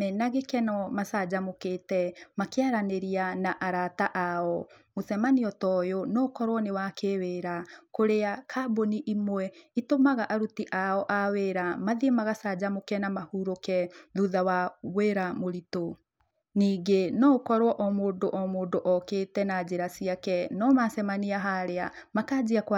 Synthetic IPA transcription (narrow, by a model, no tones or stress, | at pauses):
mɛnaɣekɛnɔmasad͡ʑamoketɛmakeaɾaneɾianaʔaɾataʔaɔmoθɛmaniɔtɔjonɔkɔɾwɔnewakeweːɾakoɾeakʰaboniʔimwɛitomaɣaʔaɾutiʔaɔʔaweːɾamaðiemaɣasad͡ʑamokɛnamahuːɾokɛðuðawaɣweɾamoɾito | niːɡenɔkɔɾwɔʔɔmoːndoʔɔmoːndoʔɔkeːtɛnad͡ʑeɾasiakɛnɔmasɛmaniaɦaɾea | makaːd͡ʑiakwa